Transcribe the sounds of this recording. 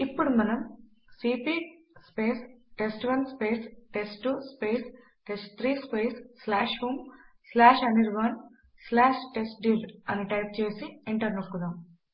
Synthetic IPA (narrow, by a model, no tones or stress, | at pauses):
ipːuɽumɐnɐm | siːpiː | speːsʈesʈʋɐnspeːsʈesʈuspeːs | ʈesʈt̪ʰɾiːspeːsːlaːʂɦuːm | slaːʃɐniɾʋɐn | slaːʃʈesʈ̚ɖiːlɐniʈɐjp̚t͡ʃe̞ːsieɳʈɐɾnɐkːud̪aːm